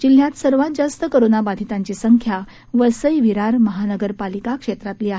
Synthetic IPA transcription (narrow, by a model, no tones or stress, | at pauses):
d͡ʑil̤jat̪səɾʋãt̪̚d͡zast̪əkəɾonabad̪ʱit̪ãɲt͡ɕisəŋkʰja | ʋəsəjʋiɾaɾməɦanəɡəɾpalikakʂet̪ɾat̪liːaɦ